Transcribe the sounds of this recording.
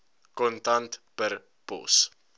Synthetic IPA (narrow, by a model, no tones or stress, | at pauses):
kɔntɐntpər | pɔ̰s